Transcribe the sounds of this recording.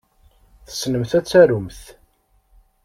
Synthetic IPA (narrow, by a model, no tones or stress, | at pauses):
θə̥snəmθæt͡sːæɾumθ